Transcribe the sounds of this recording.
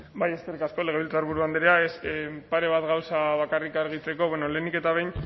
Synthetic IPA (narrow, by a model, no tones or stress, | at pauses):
baje̞ske̞rikasko̞le̞ɣe̞βilt͡saɾβ̞uɾuand̪eɾeaesepaɾe̞β̞at̪ɣawsaβakarikaɾɣit͡se̞ko̞βeno̞le̞nike̞t̪aβejn